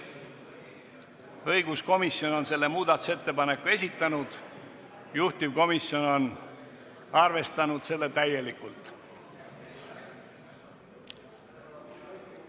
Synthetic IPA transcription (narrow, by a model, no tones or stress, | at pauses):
ɤjɡ̥usko̞misjo̞no̞nse̞lːe̞muːd̪ɑt̪u̥se̞t̪ːe̞pɑne̞kːˑue̞s̬ʲit̪ːˑɑnud̪̥ | juht̪ivko̞misjo̞no̞n | ɑrve̞st̪ɑnud̪̥se̞lːe̞t̪æje̞likːult̪ˑ